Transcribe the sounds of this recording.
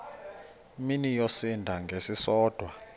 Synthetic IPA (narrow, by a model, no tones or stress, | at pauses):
minijosindʱaŋɡʱesisɔːd̥ʱwa